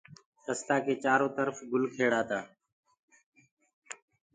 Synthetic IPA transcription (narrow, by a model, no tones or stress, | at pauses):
t̪əst̪aːkʰeːt͡ʃaːɾõːt̪əɾfɡʊlkʰeːɽaːt̪aː